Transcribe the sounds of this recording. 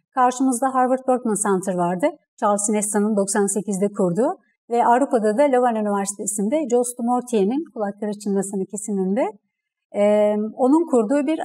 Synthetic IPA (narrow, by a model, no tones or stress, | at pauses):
kʰaɾʃɯmɯzd̪aɦaɾvɯɾt̪̚bøɾt̪mansant̪ʰɯɾvaɾd̪ɯ | t͡ʃʰalˠsinɛst̪anɯnd̪o̞ksanse̞cizd̪ɛkʰuɾd̪uː | vɛʔavɾupad̪ad̪alʲovanynivæɾsi̥t̪ʰe̞sind̪ɛd͡ʒost̪umoɾt̪ʰijeninkʰulˠak̚lˠaɾɯt͡ʃʰɯnmasɯnɯcʰe̞sinʲind̪ɛː | o̞nunkʰuɾd̪uːbiɾ